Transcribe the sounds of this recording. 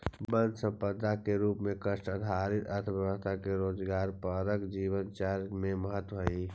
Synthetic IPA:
bə̃nd̪sə̃mpəd̪akeɾuːpmẽkəʃʈəd̪ʱaɾɪt̪əɾt̪ʰəbjəʋəst̪ʰakeɾoːd͡ʒɡaːɾpəɾəkd͡ʒiːʋənt͡ʃaɾmẽməɦət̪wəɦi

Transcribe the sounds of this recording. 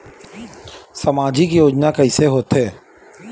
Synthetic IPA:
səmaːd͡ʒikijoːd͡ʒnakəɪseɦoːt̪ɦeː

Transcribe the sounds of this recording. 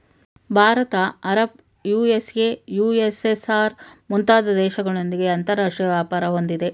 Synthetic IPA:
bʱaːɾɐt̪ɐɐɾɐb̚ | juːeseːjuːesesaːɾmunt̪aːd̪ɐd̪ɛːʃɐɡɐɭo̞nd̪iɡe̞ɐnt̪ɐɾaːʂʈɾijɐʋjaːpaːɾɐɦo̞nd̪id̪e̞

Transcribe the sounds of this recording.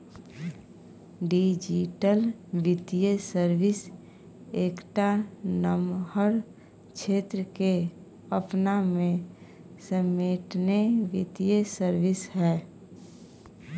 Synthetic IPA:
ɖid͡ʒiʈəlʋɪt̪ijesəɾʋɪs | eːkʈanəmhəɾ | kʃʰeːt̪ɾəke | əpnamẽ | səmeːʈneʋɪt̪ijəsəɾʋɪshɛː

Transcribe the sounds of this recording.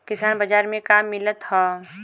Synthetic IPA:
kɪsaːnbəd͡ʒaːɾmẽkamːɪlət̪ɦɔ

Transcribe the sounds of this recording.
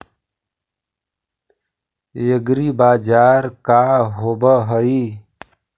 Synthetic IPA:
jəɡɾibaːd͡ʒaːɾkaɦobəɦəi

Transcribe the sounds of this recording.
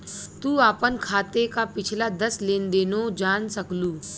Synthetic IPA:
t̪uaːpənkʰaːt̪ekapɪt͡ʃʰlad̪ɐslẽːnd̪eːnod͡ʒaːnsəkluː

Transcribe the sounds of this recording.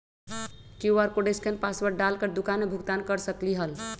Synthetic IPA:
kuaɾkoɖeskenpasbəɾɖalkəɾd̪ukanmebʱuɡt̪ankəɾsəkliɦəl

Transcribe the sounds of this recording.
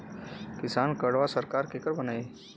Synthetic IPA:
kɪsaːnkəɽʋasəɾkaːɾkeːkəɾbɐnaːe

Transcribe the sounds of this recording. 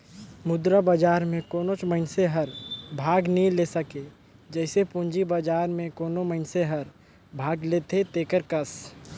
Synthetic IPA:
mʊd̪ɾabəd͡ʒaːɾmẽkoːnot͡ʃməɦɪnseɦəɾbʱaːɡnĩlesəke | d͡ʒɛːsepʊ̃ɲd͡ʒibəd͡ʒaːɾmẽkoːnoməɪnseɦəɾ | bʱaːɡlet̪ʰet̪eːkəɾkəs

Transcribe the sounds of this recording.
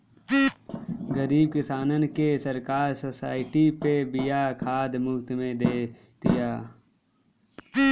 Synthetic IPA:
ɡəɾiːb̚kɪsaːnənkesəɾkaːɾsosaːɪʈipebɪjakʰaːd̪mʊkt̪mẽd̪eː | t̪ijaː

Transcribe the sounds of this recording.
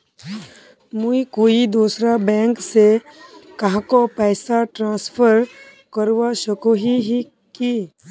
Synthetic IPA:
mũikoːid̪uːsɾabɛ̃ːŋksekɐɦãkopɛɪsaʈɾãːspʰəɾ | kəɾwaʃəkoɦiɦi | ki

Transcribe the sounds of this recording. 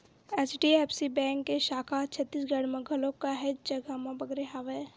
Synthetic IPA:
ɛt͡ʃɖiɛːpʰsibɛ̃ːŋkːeʃaːkʰat͡ʃʰət̪ːiːs̬ɡɐɽmẽɡʱəlõkaɦed͡ʒd͡ʒɐɡamẽbɐɡɾeɦaʋe

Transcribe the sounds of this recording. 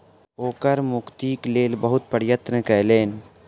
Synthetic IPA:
oːkəɾmʊkt̪iːkleːlbəɦʊt̪̚pəɽjət̪ɾəkɛːleːn

